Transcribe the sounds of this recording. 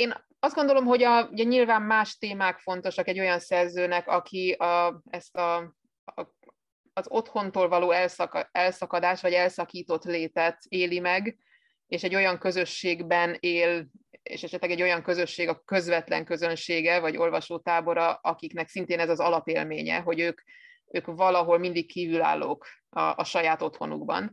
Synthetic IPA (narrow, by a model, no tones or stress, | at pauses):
eːn | ɒzd̪ɡo̞nd̪olomɦo̞ɟɒuɟɛɲilvaːmːaːʃt̪eːmaːkfo̞n̪t̪o̞ʃɒkɛɟːo̞jɒnsɛrzøːnɛkɒkʰiɒɛst̪ɒ | zo̞t̪ho̞nt̪oːlvɒloːɛlsɛlsɒkɒd̪aːʃʋɒɟɛlsɒkiːt̪o̞t̪leːt̪ɛt̪eːlimɛɡ | eːʃɛɟːo̞jɒŋkø̞zø̞ʃːeːɡbɛneːlḛːʃɛʃɛt̪lɛɡɛɟːo̞jɒŋkø̞zø̞ʃːeːɡɒkø̞zvɛt̪lɛ̰ŋkø̞zø̞nʃeːɡɛvɒɟo̞̰lvɒʃoːt̪aːbo̞ɾɒɒkiknɛksint̪eːnɛzɒzɒlɒpeːlmeːɲɛ̰ɦo̞ɟøːk | øːkvɒlɒɦo̞lmind̪ikkːiːvyla̰ːlːo̰ːk | ɒ̰ʔːʃɒjaːt̪o̞t̪ho̞̰nṵɡbɒ̰n